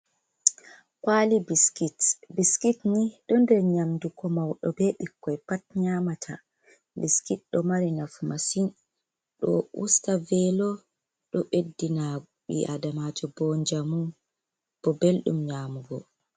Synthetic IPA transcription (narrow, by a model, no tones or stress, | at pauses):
kwaːlibiskitbiskitniɗɔndɛɾɲamdukʰɔmawɗɔbɛɓikːɔɛpat̚ɲaːmatʰa̰ | biskit̚ɗɔmaɾinafmasin | ɗɔ̰ʔṵstavɛlɔ | ɗɔɓedːina | ɓḭʔa̰damad͡ʒɔbɔnd͡ʒamu | b̥ɔbelɗṵmɲamuɡɔ